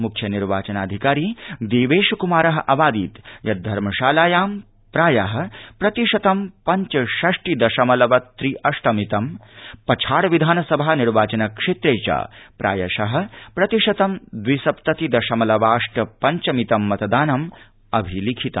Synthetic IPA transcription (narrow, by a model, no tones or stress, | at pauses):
mukʰjɐniɾʋaːt͡ʃɐnaːd̪ʱikaːɾiːd̪eːʋeːʃɐkumaːɾɐɦɐʔɐʋaːd̪iːt̪jɐd̪ʱɐɾmɐʃaːlaːjaːm | pɾaːjɐɦɐ̆pɾɐt̪iʂɐt̪ɐmpɐɲt͡ʃɐʃɐʂʈid̪ɐʃɐmɐlɐʋɐt̪ɾiʔɐʂʈɐmit̪ɐmpɐt͡ʃʰaːɽɐʋid̪ʱaːnɐsɐbʱaːniɾʋaːt͡ʃɐnɐkʂeːt̪ɾeːt͡ʃa̰ːpɾʔa̰ːjɐ̰ʃɐɦɐ̆pɾɐt̪iʂɐt̪ɐmd̪ʋisɐpt̪ɐt̪id̪ɐʃɐmɐlɐʋaːʂʈɐpɐɲt͡ʃɐmit̪ɐmːɐt̪ɐd̪aːnɐm | ɐbʱilikʰit̪ɐ̰